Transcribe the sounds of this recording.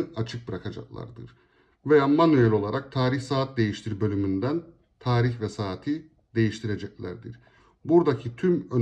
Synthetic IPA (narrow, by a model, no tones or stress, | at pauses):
ɯat͡ʃʰɯk̚bɯɾakʰad͡ʒa̰klˠa̰ɾd̪ɯ̰ɾ̥ | vejaːmanojelʲo̞lˠaɾak̚t̪ʰaːɾiçsaːt̪̚d̪e̞jiʃt̪ʰiɾbø̞lʲymynd̪æn | t̪ʰaːɾiçvɛsaːt̪ʰi | d̪e̞jiʃt̪ʰiɾe̞d͡ʒɛclʲæ̰ɾd̪iɾ̥ | buɾd̪acʰit̪ʰymøn